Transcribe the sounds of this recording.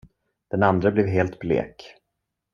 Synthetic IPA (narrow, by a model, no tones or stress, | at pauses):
d̪̥ɛnand̪ɾəblɛvɦeːlt̪blḛːk